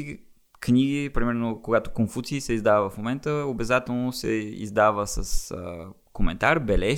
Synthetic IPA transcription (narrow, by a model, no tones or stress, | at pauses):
i | kniɡipɾimɛɾnokoɡat̪o̥konfut̪siːsɛizd̪avəvəfmomɛnt̪əobɛzat̪ɛlˠnosɛ̰ḭzd̪avəsə̰sə̰ | komɛ̰nt̪aɾbɛlɛ